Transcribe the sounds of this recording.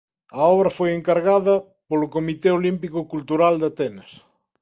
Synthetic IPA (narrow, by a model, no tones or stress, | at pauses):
ɐɔβɾɐfojeŋkaɾɣaðɐ | polʊkomit̪eolimpikokult̪uɾald̪at̪ɛnɐs